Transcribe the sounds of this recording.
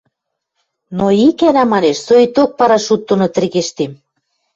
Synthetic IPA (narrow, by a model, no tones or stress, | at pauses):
noikænæmɑneʃsojt̪ok̚pɑɾɑʃut̪ːonot̪ɘ̆rɣeʃt̪em